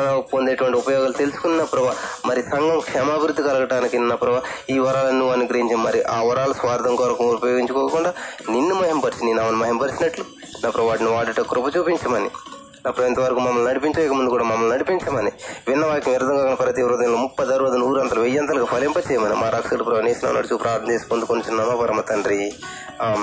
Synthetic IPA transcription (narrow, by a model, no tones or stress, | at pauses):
nɐpond̪eːʈuʋɐɳʈiupɐjɔːɡaːlut̪e̞lusu̥kunːinɐpɾɐʋamɐɾisɐŋɡɐmkʂɛːmaːbʱiɾud̪ːikɐlɐɡɐʈaːnikinnɐpɾɐʋaiːʋɐɾaːlɐnːuʋaːnːiɡɾɐiɲt͡ʃinmɐɾiʔaːʋɐɾaːlɐsʋaːɾd̪ɐŋkɔːɾɐkɐmupɐjoːɡiɲt͡ʃukɔːkuɳɖaːninːumɐɦempɐɾisininaːʋɐnimɐɦempɐɾisinɐʈlu | nɐpːɾɐʋʋaːʈiniʋaːʈiʈːɐkɾupɐt͡ʃuːpiɲt͡ʃɐmɐni | nɐpːɾɐʋɐint̪ɐʋɐɾɐkumɐmːɐlnɐɽipiɲt͡ʃɐɐjkɐmund̪ukuːɽaːmɐmːɐlnɐɽipiɲt͡ʃɐmɐniʋinːɐʋaːkɐmiɾd̪ɐŋkaːkɐnɐpɐɾɐt̪iʋɾud̪ɐjɐnloːmupːɐd̪ɐɾʋɐd̪ɐnuːɾɐnt̪ɐlɐʋejːɐnt̪ɐlɐɡpʰɐlempɐt͡ʃɛːjɐmɐnḭmaːɾɐkʂɐlɐpɾɐʋɐneːsinɐ̰ːnːɐ̰ɽut͡ʃuːpɾaːɾt̪ɐmt͡ʃeːsi̥kond̪ukond̪ut͡ʃunːɐmːpɐɾɐmɐt̪ɐnɾi | aːm